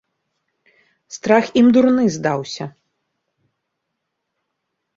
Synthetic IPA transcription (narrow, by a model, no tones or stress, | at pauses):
st̪ɾaximd̪urnɨzd̪awsʲɐ